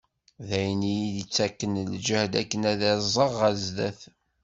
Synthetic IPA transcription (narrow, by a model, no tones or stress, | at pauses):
ðæjənijiðit͡sːækːənld͡ʒæhd̪ækːənæðæzˤəʁæzðæθ